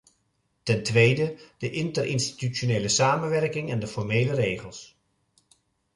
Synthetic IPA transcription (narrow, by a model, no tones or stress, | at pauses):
tɛntʋejdəd̥əʔɪntərɪ̰nsti̥tyonejləsaːmənʋɛɹkɪŋɛndəfɔɹmejlərejχəlˠs